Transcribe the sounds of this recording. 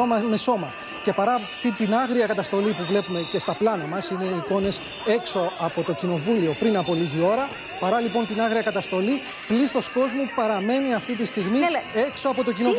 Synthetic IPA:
omɐme̞so̞mɐ | ce̞pɐɾɐft̪it̪inɐɣɾiɐkɐt̪ɐst̪o̞lipuvle̞pume̞ce̞st̪ɐplɐnɐmɐsine̞iko̞ne̞s | e̞kso̞ɐpo̞t̪o̞cino̞vulio̞pɾinɐpo̞liʝio̞ɾɐ | pɐɾɐlipo̞nt̪inɐɣɾiɐkɐt̪ɐst̪o̞li | pliθo̞sko̞zmupɐɾɐme̞niɐft̪it̪ist̪iɣmie̞kso̞ɐpo̞t̪o̞cino

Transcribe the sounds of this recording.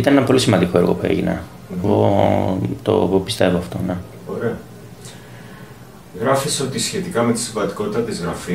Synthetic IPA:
it̪ɐnenɐpo̞lisimɐnd̪iko̞e̞ɾɣo̞̰pue̞̰ʝḭnɐ̰ | ɣo̰ | t̪o̰ɣopist̪e̞voɐft̪o̞̰ne | oɾe̞ɐ | ɣɾɐfiseo̞t̪isçe̞t̪ikɐme̞t̪i̥sĩɱvɐnd̪iko̞t̪i̥t̪ɐt̪izɣɾɐfi

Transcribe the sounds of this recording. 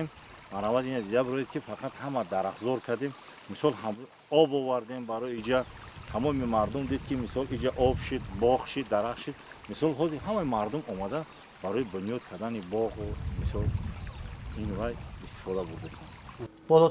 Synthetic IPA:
em | aɾavad̪inad̪id̪abɾɔed̪̚kʰifaqʰat̪hamad̪aɾafzɔɾkʰad̪em | misɔlɦa | ɔbɔvaɾd̪embaɾɔjid͡ʒa | hamɔmimaɾd̪umd̪id̪̚kʰimisɔlid͡ʒaʔɔbʃid̪bɔχʃid̪ːaɾaχʃid̪ | misɔlɦɔziɾɦamaimaɾd̪umɔmad̪a | b̥aɾɔjibunjɔd̪̚kʰad̪anibɔʁumisɔl | invajist̪i̥fɔd̪abuɾd̪isan | b̥ɔlɔ

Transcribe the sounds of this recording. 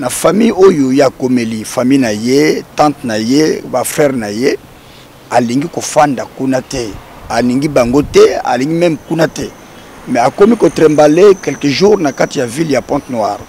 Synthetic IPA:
nafamijojojeakomelifamijnajetãtnajebafʁɛʁnaje | aliŋɡikofandakunatɛ | aliŋɡibaŋɡotɛa̰liŋɡimɛmkunatɛ | mɛakomikotʁembalekɛlkəʒuʁnakatijaviljapɔ̃tnwaʁ

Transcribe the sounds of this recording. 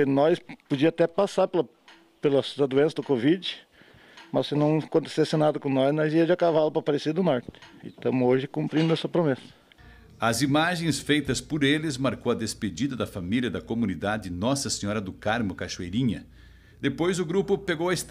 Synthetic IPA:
ɪnɔspod͡ʒiɐat̪ɛpasaɾpelɐ | pelɐsd̪ɐd̪uẽsɐd̪ʊkovid͡ʒɪ | mɐssɪnɐ̃w̃kõnt̪e̥sesɪnad̪ɐkõnɔznɔziɐd͡ʒɐkavalʊpɾɐpaɾesed̪ʊnɔɾt̪ɪ̥ɪ̰t̪ɐ̃mʊoʒɪkũmpɾĩnd̪ʊɛsɐpɾomɛsɐ̥ | ɐzimaʒẽj̃sfejt̪ɐspʊɾelɪzmaɾkowɐd̪esped͡ʒid̪ɐd̪ɐfamiljɐd̪ɐkomunid̪ad͡ʒɪnɔsɐseɲɔɾɐd̪ʊkaɾmʊkaʃuejɾĩɲɐ | d̪epojzʊɡɾupʊpeɡowɐest̪

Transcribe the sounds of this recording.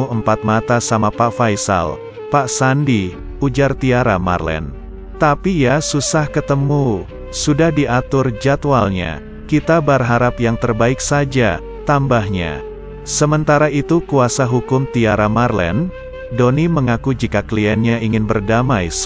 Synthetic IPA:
uəmpat̪̚mat̪asamapaʔfajsa̰l | paʔsandi | ud͡ʒart̪iaɾama̰rlɛ̰n | t̪apijasusahkət̪əmu | sudahdiat̪ʊrd͡ʒat̪walɲa̰ | kit̪abarɦaɾapjaŋt̪ərbaɪk̚sad͡ʒa̰ | t̪ambahɲa̰ | səmənt̪aɾait̪ukuasaɦukʊmt̪iaɾamarlɛ̰n | doniməŋakud͡ʒikakliɛnɲaiŋɪnbərdamajs

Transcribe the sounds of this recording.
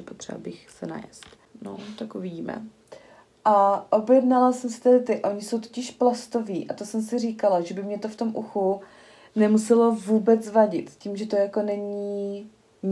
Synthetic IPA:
ɛpot̪r̝̥ɛ̰a̰lbɪxsɛna̰jɛ̰st̪ | no̰t̪akuvɪɟiːmɛ̰ | ʔaʔo̞bjɛdnalasɛmsɛ̥t̪ɛdɪt̪ɪʔo̞ɲɪso̞wt̪ocɪʃplast̪o̞viːʔat̪o̞sɛmsɪr̝iːkalaʒɛbɪmɲɛt̪o̞ft̪o̞mʔuxu | nɛmusɛlo̞vuːbɛt͡svaɟɪt̪ciːmʒɛt̪o̞jako̞nɛɲiː

